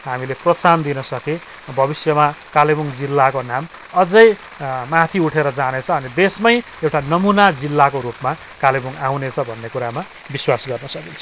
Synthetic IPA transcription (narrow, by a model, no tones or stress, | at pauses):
ɦamileprʌt͡sand̪inʌsʌke | bʱʌbisjʌmakalebuŋd͡zilːakonam | ʌd͡zʌj | mat̪ʰiuʈʰeɾʌd͡zanet͡sʰʌʌnid̪esmʌj | ewʈanʌmunad͡zilːakoɾupma | kalebuŋaw̃net͡sʰʌbʱʌnːekuɾama | biswasɡʌrnʌsʌkint͡sʰ